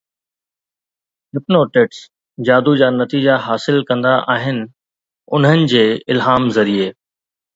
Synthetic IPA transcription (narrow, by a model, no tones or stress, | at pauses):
ɦɪpnoːʈeʈs | d͡ʑaːd̪ud͡ʑaːnɐt̪iːd͡ʑaɦaːsɪlkɐ̃nd̪aʔaːɦɪnɪ̆ | ʊn̤ənɪ̆d͡ʑeːɪlɦaːmzɐɾieː